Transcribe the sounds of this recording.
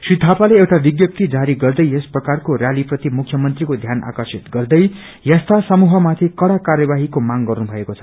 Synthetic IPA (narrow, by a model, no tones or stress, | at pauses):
srit̪ʰapaleewʈabiɡjʌp̚t̪id͡zaɾiɡʌrd̪ʌjesprʌkarkorjaliprʌt̪imukʰjʌmʌnt̪rikod̪ʱjanʔa̰kʌrsit̪ɡʌrd̪ʌj | jast̪ʰasʌmuɦʌmat̪ʰikʌɽakaɾjʌbaɦikomaŋɡʌrnubʱʌekot͡sʰʌ̥